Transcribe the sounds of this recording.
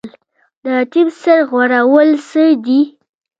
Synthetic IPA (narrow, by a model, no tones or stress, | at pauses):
l | d̪əʈimsəɾɣwaɾawəlsəd̪i